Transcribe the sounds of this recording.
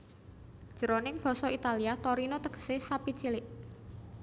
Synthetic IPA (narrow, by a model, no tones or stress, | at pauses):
d̥ʒ̥ə̤ɾonɪŋpɔ̤sɔit̪aliat̪oɾinot̪əɡ̥ə̥sesapit͡ʃilɪʔ